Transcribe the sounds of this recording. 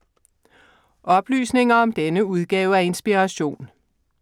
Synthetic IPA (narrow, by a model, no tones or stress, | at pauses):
ʔɒ̽b̥ly̰ːsne̝ŋɐɒ̽md̥enəuð̞ˠɡ̥ɛːʊəæɐe̝nsb̥iʁɑɕo̝̰ːn